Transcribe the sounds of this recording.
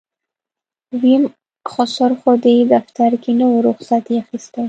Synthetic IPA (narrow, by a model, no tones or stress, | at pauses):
wim | χɔsɔɾχɔd̪ed̪aft̪ʰaɾkinəwɾʊχsat̪iaxist̪a